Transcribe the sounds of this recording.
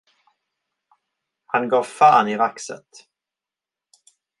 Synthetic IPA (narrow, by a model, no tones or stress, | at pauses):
hanɡɑːvfaːnɪvaksə̰t̪